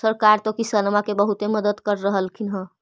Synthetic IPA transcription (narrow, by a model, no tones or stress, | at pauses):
səɾkaɾt̪okisəlmakebəɦut̪eməd̪əd̪kəɾːəɦəlkʰinɦə̃